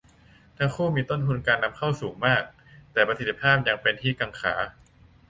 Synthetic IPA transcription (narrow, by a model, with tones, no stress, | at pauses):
t̪ʰa˦˥ŋkʰuː˥˩miː˧t̪o˥˩nt̪ʰu˧nkaː˧nːa˧˥mkʰa˥˩wsuː˩˦ŋmaː˥˩k̚ | t̪ɛː˨˩pɾa˧si˨˩t̪ʰːi˧˥pʰaː˥˩p̚ja˧ŋpe˧nt̪ʰiː˥˩ka˧ŋkʰa̰ː˩˦